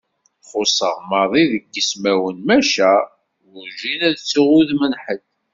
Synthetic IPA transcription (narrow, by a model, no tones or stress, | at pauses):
χʊsˤəʁməðˤiðəɡːəsmæwənmæʃæ | wʊɾʒinæðt͡sːuʁuðmənħəd̪